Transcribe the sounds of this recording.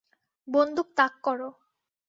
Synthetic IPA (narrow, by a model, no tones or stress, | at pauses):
bond̪ʱuk̚t̪akːɔɾo